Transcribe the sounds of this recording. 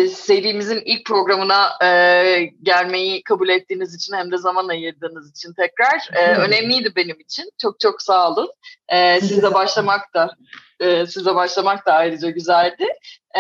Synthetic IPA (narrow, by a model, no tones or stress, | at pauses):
se̞vd̪iːmizinilʲc̚pʰɾo̞ɡɾamɯnaɯːɟælʲme̞jikʰabulʲet̪ʰːiːnizit͡ʃʰinhæmd̪ɛzamanajɯɾd̪ɯːnɯzit͡ʃʰint̪ʰɛcɾaɾ̥ɛːø̞nɛmlʲijd̪ibe̞nimit͡ʃʰint͡ʃʰo̞k̚t͡ʃʰo̞ksaːlˠɯnɛːsizlɛbaʃlˠamakt̪ʰa | ɯːsizlɛbaʃlˠamak̚t̪ʰaːjɾɯd͡ʒaɟyzælʲd̪ɪ